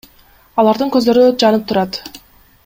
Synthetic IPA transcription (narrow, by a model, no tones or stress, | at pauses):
ɑlˠɑɾd̪ɯŋkø̞zd̪ø̞ɾyd͡ʒɑnɯp̚t̪ʰuɾɑt̪